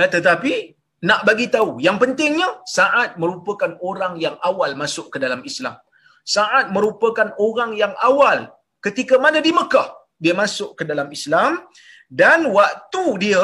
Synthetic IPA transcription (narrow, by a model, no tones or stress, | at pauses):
t̪ət̪api | naʔbaɡit̪aujaŋpənt̪ɪŋɲəsaʔat̪̚mə̃ɾupəkanoɾaŋjaŋawalmasʊʔkədalamisla̰m | saʔat̪̚mə̃ɾupəkanoɾaŋjaŋʔawal | kət̪ikamanədiməkah | diəmasʊʔkədalamislam | danwak̚t̪udiə